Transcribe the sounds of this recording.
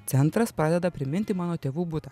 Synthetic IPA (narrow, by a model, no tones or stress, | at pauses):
t̪ʲɛnt̪ɾɐspɾɑːd̪ʲɛd̪ɐpʲɾʲɪmʲɪnʲt̪ʲɪmɑːnoːt̪ʲeːʋuːbʊt̪ɑ